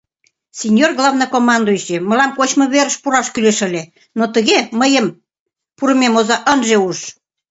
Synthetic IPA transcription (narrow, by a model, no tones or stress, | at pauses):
sʲenʲjorɣlɑvnɤ̆komɑnd̪oiɕemə̆lɑmkot͡ɕmɤ̆βeɾə̆ʃpuɾɑʃkyleʃə̆lʲe | not̪ə̆ɣeməjəm | puɾə̆memozɑʔənʒeuʃ